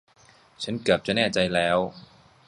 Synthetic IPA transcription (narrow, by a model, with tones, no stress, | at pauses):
t͡ɕʰa˦˥nkɯ˨˩p̚t͡ɕa˨˩nɛː˥˩t͡ɕa˧jlɛː˦˥w